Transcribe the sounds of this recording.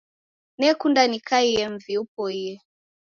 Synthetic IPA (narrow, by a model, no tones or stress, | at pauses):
nɛkundanikaijɛɱviup̚ɔijɛ